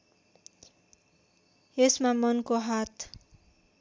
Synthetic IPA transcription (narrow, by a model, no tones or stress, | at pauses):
esmamʌnkoɦat̪ʰ